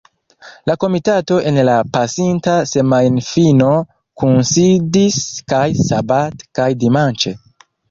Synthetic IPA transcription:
lako̞mitato̞ʔe̞nlapasintase̞majnfino̞ | kunsidiskajsabatkajdimant͡ʃe̞

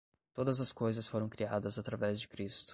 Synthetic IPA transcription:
t̪od̪ɐzɐskojzɐsfoɾɐ̃w̃kɾiad̪ɐzat̪ɾavɛzd͡ʒɪkɾist̪ʊ̥

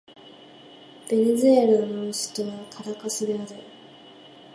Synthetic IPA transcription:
b̥e̞nʲezɨeɾanoɕi̥t̪oβakʰaɾakasɨd̪eaɾɯ

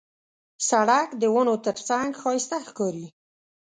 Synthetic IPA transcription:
saɽakd̪əwənot̪əɾt͡saŋɡxɑjɪst̪axkɑɾi

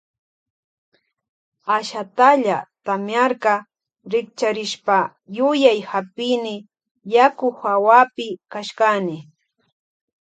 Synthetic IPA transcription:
aʃat̪aʎat̪amjaɾkɑ | ɾɪk̚t͡ʃaɾɪʃpa | jʊjajhapɪnɪ | jakʊxawapɪkaʃkanɪ

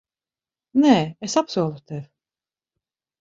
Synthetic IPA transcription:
nɛɛsapsuɔlˠut̪ɛv

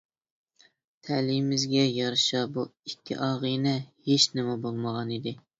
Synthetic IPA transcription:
t̪ʰɛlimɪzɡʲɛjɑɾʃɑbuikʲʰːɪ̰ʔɑʁinɛheʃnɪmɛbolˠməʁɑnid̪ɪ

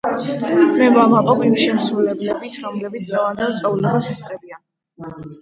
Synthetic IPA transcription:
mɛvamaqʼɔpʰimʃɛmsɾulɛblɛbit̪ʰɾɔmlɛbit̪sʰd̪ʼʁɛvand̪ɛt̪sʼɔulɛbasist̪ʼɛbia

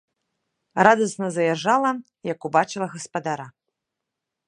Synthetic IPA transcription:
rad̪ɐsnɐzɐjaʐalˠɐ | jɐkubat͡ʂɨlˠɐɣɐspad̪aɾa

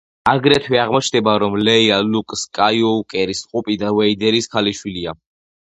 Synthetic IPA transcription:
aɡɾɛt̪ʰwɛaʁmɔt͡ʃʰnɛbaɾɔmlɛialukʼskʼajɔkʼɛɾisqʼupʼid̪avɛid̪ɛɾiskʰaliʃwilia

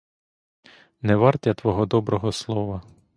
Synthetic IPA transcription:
nɛʋɑrtʲɐt̪ʋɔɦɔd̪ɔbɾɔɦɔslˠɔʋɐ

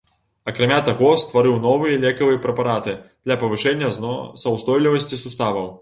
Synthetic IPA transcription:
ɐkɾamʲat̪aɣɔst̪vaɾɨwnɔvɨjɐlʲɛkɐvɨjɐpɾɛpaɾat̪ɨd̪̥lʲɐpɐvɨʂɛnʲːɐsɐwst̪ɔjlʲivɐsʲt͡sʲisust̪avɐw

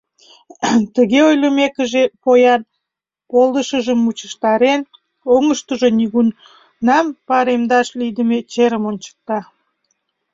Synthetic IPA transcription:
t̪əɣeojləmekəʒepojɑn | polˠd̪əʃəʒəmːut͡ɕəʃt̪ɑɾen | oŋəʃt̪əʒoniɣun | nɑmpɑɾemd̪ɑʃlid̪əmet͡ɕeɾəmont͡ɕə̥k̚t̪ɑ

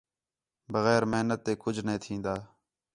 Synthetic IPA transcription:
bəɣɛːɾmeɦnət̪ːeːkʊd͡ʒʱnẽːt̪ʰĩːnd̪aː

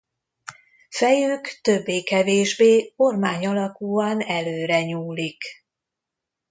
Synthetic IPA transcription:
fɛjøːkt̪ø̞bːeːkɛveːʒbeːo̞rmaːɲɒlɒkuːɒnɛløːɾɛɲuːlik

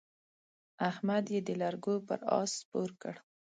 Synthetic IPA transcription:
ahmad̪jed̪əlaɾɡopə̰ɾɑ̰spoɾkəɽ

